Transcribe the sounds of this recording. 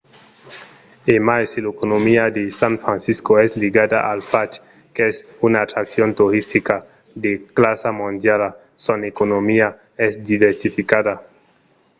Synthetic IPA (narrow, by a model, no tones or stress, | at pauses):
emajselekonomiad̪esanfɾansiskoesliɡad̪a̰ʔalfat͡ʃ | keesunaːt̪ɾaksjont̪uɾist̪ika | d̪eklasamõnd̪jala | sonekonomia | esd̪iβeɾsifikaða